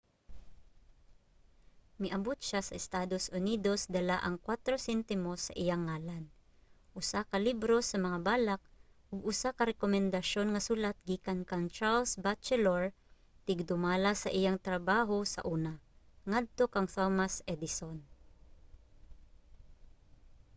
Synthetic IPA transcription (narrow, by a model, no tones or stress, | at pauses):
mɪʔɐbʊt̪̚ʃasɐʔɪst̪aːd̪osʔʊniːd̪o̞sd̪ɐlaʔɐŋkwat̪ɾosɛnt̪ɪmosːɐ̰ʔɪjaŋːaːlan | ʔʊsakɐlibɾo̞sɐmɐŋabaːlak̚ | ʔʊɡʊsakɐɾɛkomɛnd̪ɐʃo̞nŋɐsuːlat̪̚ɡiːkankɐŋt͡ʃaɹlsbat͡ʃɛloɹ | t̪ɪɡ̚d̪ʊmaːlasɐʔɪjaŋt̪ɾɐbaːɦo̞sɐ̰ʔuːnaŋad̪̚t̪o̞kɐŋt̪omasɛd̪ɪson